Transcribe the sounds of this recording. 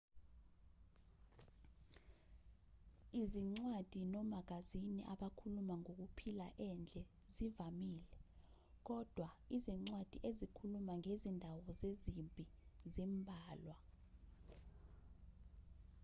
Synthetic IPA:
iziŋ͡ǀwad̥ʱinɔmak̬aziniʔaɓakʰulumaŋok̬upʰila̰ʔɛnd͡ɮʱɛ | zivamiːlɛ | k̬ɔd̥ʱwaiziŋ͡ǀwad̥ʱiʔezikʰulumaŋezindʱawɔzezimpʼizimbʱaːlwa

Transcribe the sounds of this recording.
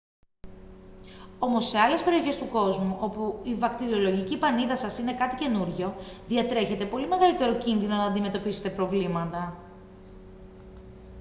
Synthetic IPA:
o̞mo̞sːe̞ɐle̞spe̞ɾio̞çe̞st̪uko̞zmuʔo̞puivɐkt̪iɾio̞lo̞ʝicipɐniðɐsɐsine̞kɐt̪ice̞nuɾʝo̞ðiɐt̪ɾe̞çe̞t̪e̞po̞lime̞ɣɐlit̪e̞ɾo̞cinðino̞nɐːnd̪ime̞t̪o̞pise̞t̪e̞pɾo̞vlimɐt̪ɐ

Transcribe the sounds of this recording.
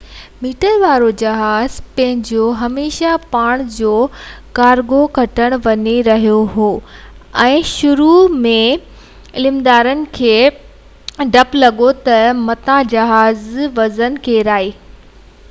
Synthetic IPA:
miːʈəɾʋaːɾod͡ʑɐɦaːzpɐ̃ɦɪ̃ɲd͡ʑoɦɐmeːʃapaːɽ̃d͡ʑoːkaːɾɡokɐʈəɽ̃ʋɐɲeɾɐɦijoɦoː | ɛ̃ːʃʊɾumẽ | ɪlɪmd̪aːɾənɪ̆kʰeː | ɖʱɐplɐɠot̪ɐmɐt̪ãd͡ʑɐɦaːzʋɐzənkʰeːɾaːiː

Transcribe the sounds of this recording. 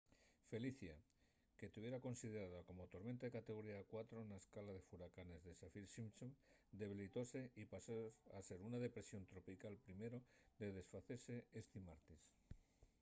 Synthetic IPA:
fe̞liθja | ke̞t̪uβje̞ɾako̞nsið̞eɾaðako̞mo̞t̪o̞ɾment̪aðekat̪e̞ɣo̞ɾiakwat̪ɾonaeskalað̞e̞fuɾakane̞zðe̞safilsimt͡ʃomd̪e̞β̞ilit̪o̞se̞ipasoase̞ɾunað̞e̞pɾe̞sjo̞nt̪ɾo̞pikalpɾime̞ɾod̪e̞ð̞e̞sfaθe̞ɾse̞est̪imaɾt̪is

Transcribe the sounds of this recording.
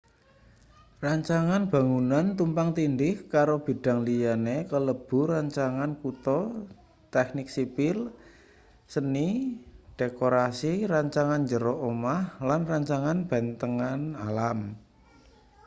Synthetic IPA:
raɲt͡ʃaŋanb̥a̤ŋunant̪umpaŋt̪indɪhkaɾob̥i̤ɖ̥a̤ŋlijanekələb̥ṳɾaɲt͡ʃaŋankut̪ɔ | t̪ɛknɪk̚sipɪl | səniɖ̥ekoɾasiraɲt͡ʃaŋanɲd͡ʒəɾoʔomahlanraɲt͡ʃaŋanb̥ɛnt̪əŋanalam

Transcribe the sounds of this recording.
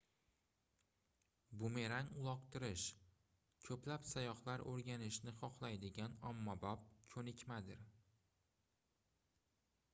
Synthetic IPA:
bʊme̞ɾaŋʊlˠɒqt̪ʰɪɾɪʃ | kʰɵplapsajɒχlaɾɵɾɡʲanɪʃnɪχɒqlˠajd̪ɪɡʲanɒmːɒbɒp̚kʲʰɵnɪkʲmad̪ɪɾ

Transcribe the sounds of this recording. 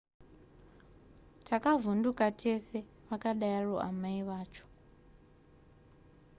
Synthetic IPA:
tʰakavundukatʰese | ʋakaɗajaro̰ʔa̰maiʋaːt͡ʃʰo̥

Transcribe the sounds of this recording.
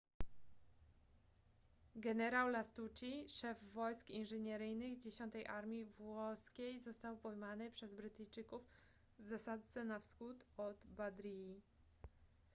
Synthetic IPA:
ɡɛnɛɾawlast̪ut͡ɕiʂɛvːɔjskinʐɘɲɛɾɘjnɘɣd͡ʑeɕɔnt̪ɛjʔaɾmʲivwɔskʲejzɔst̪awpɔjmanɘpʂɛzbɾɘt̪ɘjt͡ʂɘkuf | vzasad̪sɛnafsxut̪ɔd̪bad̪ɾii

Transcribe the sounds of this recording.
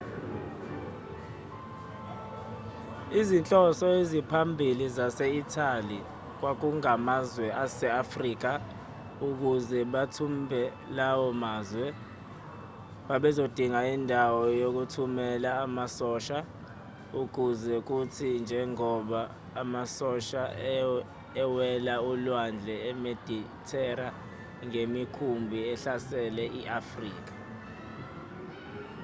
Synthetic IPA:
izint͡ɬʼɔsɔezipʰambʱilizasɛitʰali | k̬wak̬uŋamazwɛʔasɛafriːk̬a | uk̬uzɛɓatʰumbʱɛ | lawɔmaːzwɛ | ɓaɓɛzod̥ʱiŋaindʱawɔjok̬utʰumɛlaːmasɔʃa | uɡ̥ʱuzɛk̬utʰind͡ʒʱɛŋɔɓaː | masɔʃa | ɛwɛlaulwand͡ɮʱɛɛmed̥ʱi | tʰɛɾa | ŋemikʰumbʱiɛɬasɛlɛʔiʔafrḭːk̬ḁ

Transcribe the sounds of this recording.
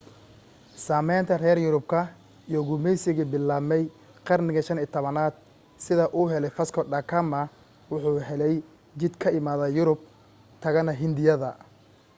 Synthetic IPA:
saːmɛjnt̪ʰɐrɛːrjʊɾʊb̚kʰɐ | ijɔɡʊmɛjsɪɣɪbɪlːaːmɛj | qɑrnɪɣɐʃɐnɪːt̪ʰɔβɐnaːd̪̥̚ | sɪðɐʔuːɦɛlɛjfɐskʰɔɖɐkʰɐmɐ | wʊħuːɦɛlɛj | t͡ʃɪd̪kʰɐɪmaːðɐjʊɾʊb̚ | t̪ʰɐɣɐnɐɦɪnd̪ɪjɐðɐ̰

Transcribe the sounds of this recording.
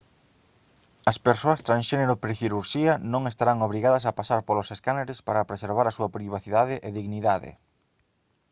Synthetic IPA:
ɐspeɾsoɐst̪ɾãnsʃeneɾʊpɾiθiɾuɾʃiɐnõŋest̪aɾaŋoβɾiɣaðɐs̬ɐpasaɾpoloseskaneɾespaɾɐpɾeseɾβ̞aɾɐsuɐpɾiβaθiðaðɪʔeðiɣniðaðḛ

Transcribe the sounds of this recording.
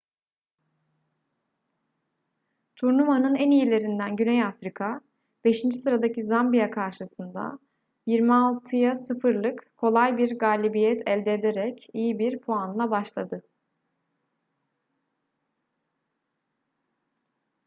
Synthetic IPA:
t̪ʰuɾnumanɯnænijelʲe̞ɾind̪ænɟynɛjafɾikʰa | be̞ʃind͡ʒisɯɾad̪acizambijakʰaɾʃɯsɯnd̪a̰ | jiɾmialˠt̪ʰɯjasɯfɯɾlˠɯkkʰːo̞lˠajbiɾɡaːlʲibijɛt̪ʰɛlʲd̪eːd̪eɾɛcijibiɾpʰoanlˠabaʃlˠad̪ɯ

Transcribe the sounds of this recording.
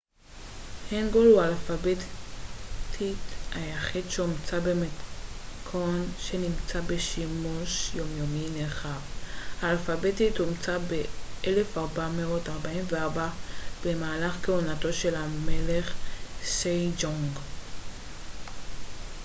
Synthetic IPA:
heŋɡolualfabe | t̪ʰitajaχidʃeomt͡sabemekʰonʃe̞nimt͡sabe̞ʃimuʃjomjo̞mineχavhaːlfabetitomt͡sabeʔele̞faʁbameo̞taʁbaimveaʁbab̥emaːlaχkeunato̞ʃe̞lameleχsejd͡ʒoŋɡ

